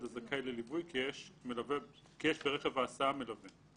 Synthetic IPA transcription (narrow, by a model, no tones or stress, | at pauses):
d̪azakajlelibujkiɛʃmelave | kijɛʃbeʁeχevaːsaamelave